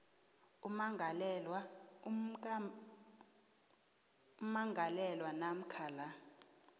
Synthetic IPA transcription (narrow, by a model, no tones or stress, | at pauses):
umaŋʱalɛlwa | umaŋɡʱalɛlwanam̩kʰaːla